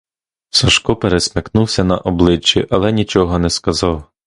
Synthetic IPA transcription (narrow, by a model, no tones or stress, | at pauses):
sɐʃkɔpeɾesʲmʲɐknuwsʲɐnɐ̰ʔɔblˠɪt͡ʃːiʔɐlˠɛnʲit͡ʃɔɦɔnɛskɐzɑw